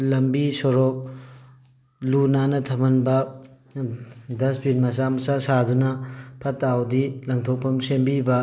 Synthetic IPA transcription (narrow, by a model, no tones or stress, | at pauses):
lɐmbisoɾok̚ | lunanɐtʰɐmɐnbɐ | dɐsbinmɐs̬amɐsasadunɐpʰɐtːawdilɐŋtʰok̚pʰɐmsembibɐ